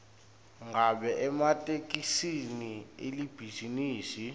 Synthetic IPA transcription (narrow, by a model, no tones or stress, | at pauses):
ŋɡaɓɛʔɛmatʼekʼisinielib̥ʱiziniːsi